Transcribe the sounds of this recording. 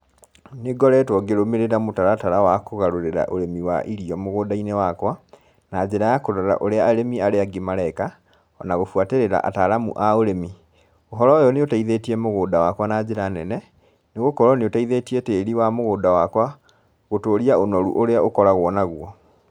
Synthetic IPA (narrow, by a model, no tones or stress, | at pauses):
neɡɔɾɛtwɔɡeɾomeɾeɾamotaɾataɾawakoɣaɾoɾeɾa̰ʔoɾemiwa̰ʔiɾiɔmoɣoːdainewakwa | nad͡ʑeɾajakoɾɔɾa̰ʔoɾeaːɾemiaɾeaɡemaɾɛka | ɔ̰naɣofwateɾeɾa̰ʔa̰taɾamṵʔaoɾemi | oɦɔɾɔjɔneotaiðetiɛmoɣoːdawakwanad͡ʑeɾanɛnɛ | neɣokɔɾɔneotaiðetieteːɾiwamoɣoːdawakwa | ɣotoːɾiaonɔɾṵʔoɾeaʔokɔɾaɣoɔnaɣwɔ